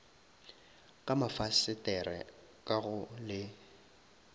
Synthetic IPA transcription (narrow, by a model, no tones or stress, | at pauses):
kʼamafasɪtʼɛrɛ | kʼaɣʊlɪ